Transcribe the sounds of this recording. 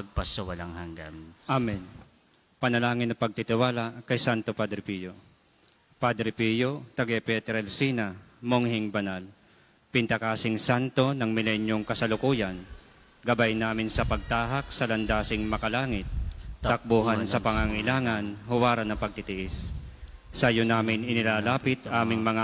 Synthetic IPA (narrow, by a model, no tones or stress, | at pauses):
pɐɡ̚pɐsɐwɐlaŋhaŋɡa̰mʔamɛn | pɐnɐlaːŋɪnːɐpɐɡ̚t̪it̪ɪwaːlaʔkɐjsant̪o̞pad̪ɾɪpijo | pad̪ɾɪpijot̪ɐɡɛpɛt̪ɛɾɛlsinamoŋhɪŋbɐnal | pɪnt̪ɐkaːsɪŋsant̪o̞nɐŋmɪlɛnjo̞ŋkɐsɐlʊkuːjan | ɡɐbajnaːmɪnsɐpɐɡ̚t̪aːɦak̚sɐlɐnd̪aːsɪŋmɐkɐlaːŋɪt̪̚ːɐk̚boːɦansɐpɐŋaŋaʔɪlaːŋanhʊwaːɾɐnːɐpɐɡ̚t̪ɪt̪ɪʔɛs | sajonaːmɪnɪnɪlaːlaːpɪt̪aːmɪŋmɐŋa